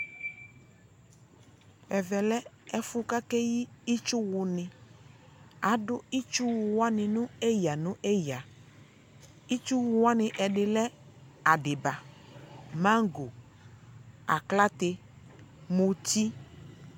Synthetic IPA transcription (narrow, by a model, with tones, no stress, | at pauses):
ɛ˨vɛ˨lɛ˦ɛ˦fʊ˦ka˦kɛ˦ji˦i˦t͡ʃʊ˦wʊ˨nɪ̃˨ | a˨˦ɖʊ˦i˦t͡ʃʊ˦wʊ˨wa˦nɪ̃˨nʊ̃˦e˦ja˨nʊ̃˦ʔe˦ja˨ | i˦t͡ʃu˦wʊ˨wa˦nɪ̃˨ʔɛ˨ɖɪ˨lɛ˦ | a˨ɖɪ˨ba˨ | mã˦ŋ˦ɡo˨ | a̰˨kla˦t̪ɪ˦ | mu˨ti˦